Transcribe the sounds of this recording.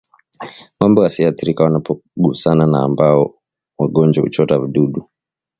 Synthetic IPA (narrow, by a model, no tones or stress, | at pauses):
mambɔjasiaθiɾikawanapɔɡuusananaːmbaɔ | waɡɔnd͡ʒwahṵt͡ʃɔtaviɗuɗu